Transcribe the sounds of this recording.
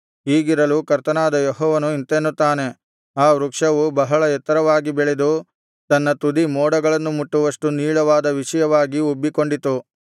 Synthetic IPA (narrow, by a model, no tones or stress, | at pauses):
ɦiːɡiɾɐlukɐɾt̪ɐnaːd̪ɐjɔɦɔːʋɐnuint̪enːut̪ːaːne̞ | aːʋɾukʂɐʋubɐɦɐɭɐɛt̪ːɐɾɐʋaːɡibɛɭed̪u | t̪ɐnːɐt̪ud̪imɔːɽɐɡɐɭɐnːumuʈːuʋɐʂʈuniːɭɐʋaːd̪ɐʋiʂɐjɐʋaːɡiubːiko̞ɳɖit̪ːu